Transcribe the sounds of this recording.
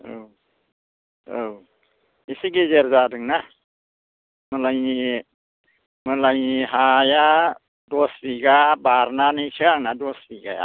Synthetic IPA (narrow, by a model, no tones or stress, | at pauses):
ow | ow | isiɡezeɾzadɯŋna | mɯlajni | mɯlajniɦaja | dɔsbiɡabaɾnanɯjsʰɯaŋnadɔsbiɡa̰ja̰